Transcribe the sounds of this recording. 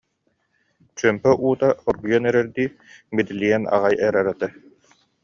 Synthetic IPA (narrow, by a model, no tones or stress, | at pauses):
t͡ɕœmpɛʔuːt̪aɔɾɡujɔnɛɾɛɾd̪iːbid̪ilʲijɛna̰ʁajɛɾɛɾɛt̪ɛ